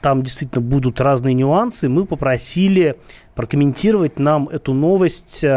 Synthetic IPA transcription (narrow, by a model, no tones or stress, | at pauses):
t̪amdʲɪst̪vʲitʲlʲnəbud̪ʊt̪raznɨjənʲʊansɨmɨpəpɾɐsʲilʲɪpɾəkəmʲɪnʲtʲiɾəvət̚ʲnamɛt̪ʊno̞vəsʲtʲ